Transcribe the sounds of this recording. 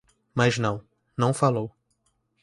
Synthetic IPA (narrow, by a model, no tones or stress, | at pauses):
maznɐ̃w̃ | nɐ̃w̃falow